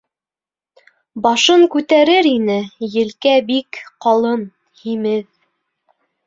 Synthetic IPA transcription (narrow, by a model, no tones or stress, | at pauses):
bɑʃɤŋkʉt̪æɾɘɾinɘjɘ̆lkæbikqɑlˠɤn | himɘð